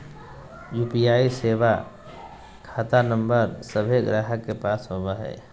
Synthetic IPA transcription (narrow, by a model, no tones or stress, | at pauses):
juːpijaːiseːʋa | kʰaːt̪anə̃mbəɾsəbʱeɡɾaːɦəkepaːsɦoːbaɦɛ̰ː